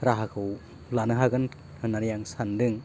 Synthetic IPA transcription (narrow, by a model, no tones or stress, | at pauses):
ɾaɦakʰɯw | lanɯɦaɡɯn | hɯnaɾjaŋsandɯŋ